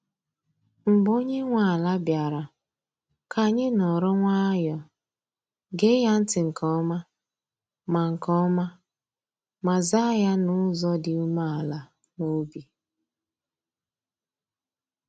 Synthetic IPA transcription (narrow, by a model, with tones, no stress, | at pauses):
m̩˨bo˦ɲe˦ŋʷa˨a˨la˦bja˨ɾa˨ | ka˨ɲɪ˦nɔ˨ɾɔ˦ŋʷa˦jɔ˨ | ɡe˦ja˦n̩˦tɪ˨ŋ̩˨kʰɔ˦ma˦ | ma˨ŋ̩˨kɔ˦ma˦ | ma˨za˦ja˦nʊ˦zɔ˦dɪ˨u˦ma˦a˨la˨ | no˦bi˨